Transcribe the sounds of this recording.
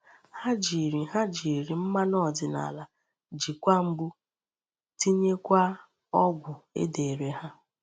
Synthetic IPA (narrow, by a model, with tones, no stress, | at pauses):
ha˦d͡ʒi˨ɾi˨ɦa˦d͡ʒi˨ɾi˨m̩˦ma˦nɔ˦˨dɪ˨na̰˨la˨ | d͡ʒi˨kʷa˦m̩˦bu˦ | ti˦ɲe˦kʷa˦ | ɔ˦ɡʷʊ˨ḛ˦de˨ɾe˦ɦa˦